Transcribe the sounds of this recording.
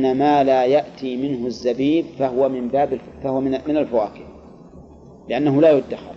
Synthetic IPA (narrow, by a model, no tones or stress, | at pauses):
amaːlaːjaʔt̪iːmɪnɦʊzːabiːbfaɦʊwamɪmbaːbɪlfahʊwamɪnamɪnalfawa̰ːkɪf | lɪʔanːaɦʊlaːjʊd̪ːaxɑ̰l